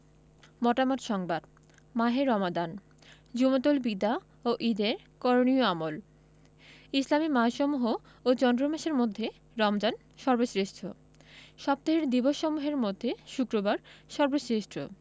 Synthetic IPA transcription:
mɔʈamot̪ʃɔŋbad̪ | maɦeɾɔmad̪an | d͡ʑumot̪olbid̪a | oʔid̪eɾ | kɔɾonioamol | islamimaʃɔmuɦo | ot͡ɕɔnd̪ɾomaʃeɾmod̪ʱːe | ɾɔmd͡ʑan | ʃɔɾbosɾeʃʈʰo | ʃɔb̚t̪oɦeɾd̪iboʃːɔmuɦeɾmod̪ʱːeʃukɾobaɾʃɔɾbosɾeʃʈʰo̰

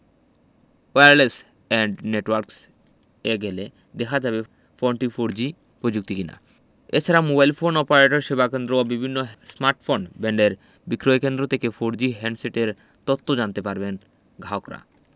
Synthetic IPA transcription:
eaɾles | ɛɳɖneʈwaɾks | eɡele | d̪ɛkʰad͡ʑabe | foɳʈifoɾd͡ʑi | pɾod͡ʑuk̚t̪ikina̰ | ḛt͡ɕʰaɾamobajlfʰonɔpaɾeʈoɾʃebakend̪ɾoabibʱinːosmaɾʈfonbeɳɖeɾ | bikɾoekend̪ɾot̪ʰekefoɾd͡ʑiɦɛɳɖseʈeɾ | t̪ɔt̪ːod͡ʑant̪epaɾben | ɡʱaokɾa̰

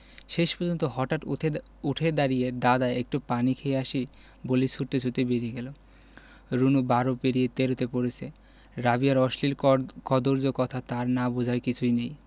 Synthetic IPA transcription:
ʃeʃpɔɾd͡ʑont̪oɦɔʈaʈ | uʈʰed̪aɾijed̪ad̪aeek̚ʈupanikʰeeaʃi | bolejsuɾt̪et͡ɕʰut̪ebeɾieɡɛlo | ɾunubaɾopeɾijet̪eɾot̪epoɾet͡ɕʰe | ɾabiaɾɔʃliɾkɔd̪oɾd͡ʑokɔt̪ʰat̪aɾnabod͡ʑʱaɾkit͡ɕʰujnej

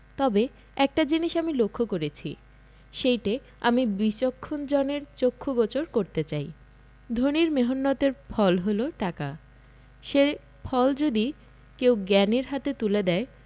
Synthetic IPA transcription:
t̪ɔbe | ɛk̚ʈad͡ʑiniʃamilokʰːokoɾet͡ɕʰḭ | ʃejʈe | amibit͡ɕokʰːond͡ʑɔneɾt͡ɕokʰːoɡɔt͡ɕoɾkoɾt̪et͡ɕaj | d̪ʱoniɾmeɦonːɔt̪eɾfʰɔlɦoloʈaka | ʃe | pʰɔld͡ʑod̪i | kewɡɛneɾɦat̪et̪uled̪ɛe

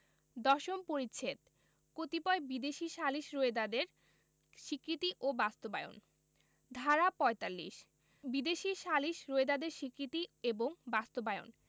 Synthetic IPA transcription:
d̪ɔʃompoɾitːt͡ɕʰet̪̚ | kot̪ipɔebid̪eʃiʃaliʃɾoed̪ad̪eɾ | ʃikɾit̪iʔobast̪obajo̰n | d̪ʱaɾapɔet̪alːḭʃ | bid̪eʃiʃaliʃɾoed̪ad̪eɾʃikɾit̪ieboŋbast̪obaeo̰n

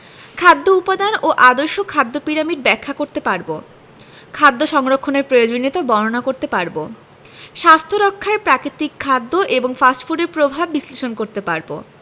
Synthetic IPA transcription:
kʰad̪ʱːoupad̪anoʔad̪oɾʃokʰad̪ːopiɾamiɖ̚bɛkʰːakoɾt̪epaɾbo̰ | kʰad̪ːoʃɔŋɾokʰːoneɾpɾojod͡ʑonːit̪abɔɾonakoɾt̪epaɾbo | ʃast̪ʰoɾokʰːaepɾakɾit̪ikʰːad̪ːoʔeboŋfasʈfuɖeɾpɾobʱabːisleʃonkoɾt̪epaɾbo̰

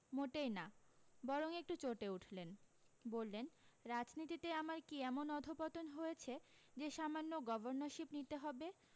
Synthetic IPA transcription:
moʈejnabɔɾoŋek̚ʈut͡ɕoʈeuʈʰlenbolːenɾad͡ʑnit̪it̪eamaɾkiɛmonɔd̪ʱopɔt̪onɦojet͡ɕʰed͡ʑeʃamanːoɡɔboɾnoʃipnit̪eɦɔbe

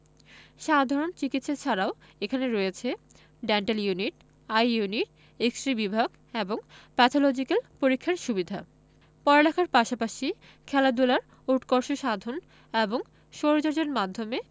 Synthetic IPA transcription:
ʃad̪ʱaɾont͡ɕikit̪ːʃat͡ɕʰaɾaoekʰaneɾojet͡ɕʰe | ɖɛɳʈeljuniʈ | ajjuniʈ̚ | eksʈɾibibʱaɡ | eboŋpɛt̪ʰolod͡ʑikelpoɾikʰːaɾʃubid̪ʱa | pɔɾelɛkʰaɾpaʃapaʃi | kʰɛlad̪ulaɾ | uʈkoɾʃoʃad̪ʱon | eboŋ | ʃoɾod͡ʑoɾd͡ʑonmad̪ʱːome

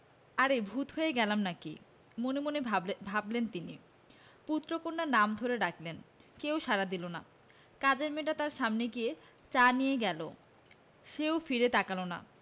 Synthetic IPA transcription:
aɾebʱut̪ɦoeɡɛlamnakḭ | monemonebʱablent̪ini | put̪ːɾokonːaɾnamd̪ʱoɾeɖaklenkewʃaɾad̪ilona̰ | kad͡ʑeɾmeʈat̪aɾʃamneɡie | t͡ɕanijeɡɛlo̰ | ʃeofiɾet̪akalona̰

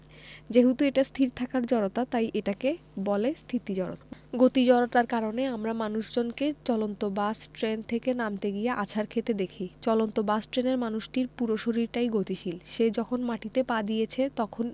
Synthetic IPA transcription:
d͡ʑeɦut̪ueʈast̪ʰiɾt̪ʰakaɾd͡ʑɔɾot̪at̪ajʔeʈake | bɔlest̪ʰit̪id͡ʑɔɾo̰t̪ɡot̪id͡ʑɔɾoʈaɾkaɾoneamɾamanuʃd͡ʑonket͡ɕɔlont̪obasʈɾent̪ʰekenamt̪eɡijeʔa̰t͡ɕʰaɾkʰet̪ed̪ekʰit͡ɕɔlont̪obasʈɾeneɾmanuʃʈiɾpuɾoʃoɾiɾʈajɡot̪iʃilʃed͡ʑɔkʰonmaʈit̪epad̪ijet͡ɕʰet̪ɔkʰon

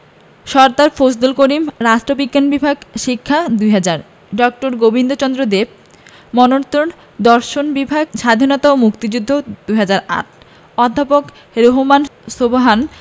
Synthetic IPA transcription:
ʃɔɾt̪aɾfosd̪ulkoɾimɾaʃʈɾobikːanbibʱaɡʃikʰːad̪ujɦad͡ʑaɾ | ɖɔk̚ʈoɾɡobind̪ot͡ɕɔnd̪ɾod̪eb̚ | mɔnoɾt̪ɾon | d̪ɔɾʃonbibʱaɡ̚ʃad̪ʱinɔt̪aomukt̪id͡ʑud̪ʱːod̪̥ujɦad͡ʑaɾa̰ʈ̚ʰ | ɔd̪ʱːapok | ɾoɦomansoboɦan

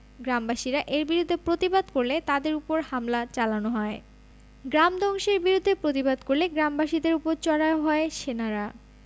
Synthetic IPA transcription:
ɡɾambaʃiɾaʔeɾbiɾud̪ʱːepɾot̪ibad̪koɾlet̪ad̪eɾupoɾhamlat͡ɕalanoɦɔe | ɡɾamd̪ɔŋʃeɾbiɾud̪ʱːepɾot̪ibad̪koɾleɡɾambaʃid̪eɾupoɾt͡ɕɔɽaoɦɔeʃenaɾa

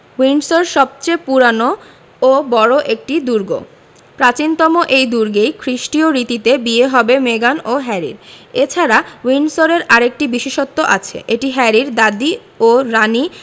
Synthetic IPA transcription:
winsoɾʃɔb̚t͡ɕepuɾano | obɔɾoʔek̚ʈid̪uɾɡo̰ | pɾat͡ɕint̪ɔmoʔejd̪uɾɡejkʰɾiʃʈioɾit̪it̪ebieɦɔbemeɡanoɦɛɾḭɾet͡ɕʰaɾawinsoɾeɾaɾek̚ʈibiʃeʃot̪ːoʔat͡ɕʰḛʔeʈiɦɛɾiɾd̪ad̪i | oɾani

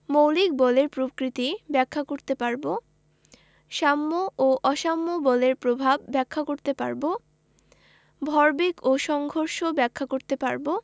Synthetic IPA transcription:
mowlik̚bɔleɾpɾokɾit̪ibɛkʰːakoɾt̪epaɾbo | ʃamːooʔɔʃamːobɔleɾpɾobʱabːɛkʰːakoɾt̪epa̰ɾbo | bʱɔɾbikoʃɔŋɡʱoɾʃobɛkʰːakoɾt̪epaɾbo

